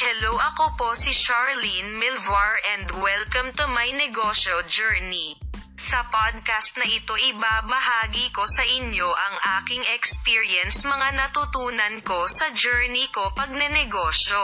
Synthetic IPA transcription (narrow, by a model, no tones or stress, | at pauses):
hɛlowʔɐkopo̞sɪʃaɹlinmɪlvɐɹʔɛnd̪wɛlkɐmt̪ʊmɐjnɛɡoːʃod͡ʒɛɹni | sɐpad̪̚kast̪̚nɐʔɪt̪o̞ʔɪbaːbɐhaːɡiko̞sɐʔɪɲjo̞ʔɐŋʔaːkɪŋɛkspiːɹjɛnsmɐŋanɐt̪ʊt̪uːnɐnko̞sɐd͡ʒɛɹniko̞pɐɡ̚nɛnɛɡoːʃo